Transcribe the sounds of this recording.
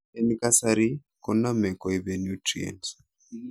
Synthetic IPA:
enikasaɾi | kɔnamɛkɔiβenjutɾḭḛnt

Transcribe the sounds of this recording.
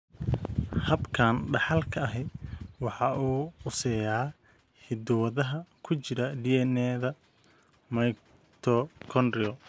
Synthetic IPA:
hɐbkʰaːnɖɑħɑlkʰɐɐɦɛwɑħɑʔuːʊsɛjaː | hɪd̪ʊwɐðɐɦɐkʰʊt͡ʃɪɾɐɖiːɛnɛːðɐ | mɐj | t̪ʰɔkʰɔnɖɾɪɔ

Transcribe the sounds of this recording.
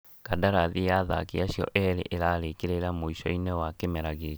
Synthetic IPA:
kadaɾaðijaða̰kiaɕjɔ̰ʔɛɾḛʔeɾaɾekeɾeɾamoiʃɔinɛwakemɛɾaɣe

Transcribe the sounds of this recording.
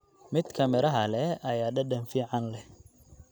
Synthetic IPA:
mɪd̪kʰɐmɪɾɐɦɐlɛɐjaːɖɐɖɐnfiːʕɑnlɛ

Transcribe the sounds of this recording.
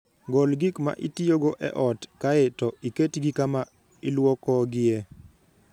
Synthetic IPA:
ɡolɡikma̰ʔitioɡoʔɛ̰ʔɔtkaetɔiketɡikama | ɪlwɔkɔɡɪe

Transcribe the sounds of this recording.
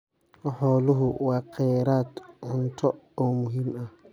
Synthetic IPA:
ʔɔhɔluɦuwakʰːɛɾatʔɔntɔʔɔmuɦimʔa

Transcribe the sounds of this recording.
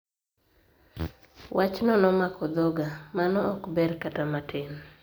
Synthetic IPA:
wʔat͡ʃnɔnɔmakɔd̪ɔɡamanɔɔkbɛrkatamatʰɪn

